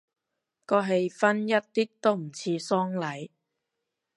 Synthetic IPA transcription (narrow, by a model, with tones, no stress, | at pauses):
kɔː˧ɦe˨jfɐ˥njɐ˥t̚t̪iː˥k̚t̪o˥wm̩˨˩t͡sʰiː˧sɔː˥ŋlɐ˨j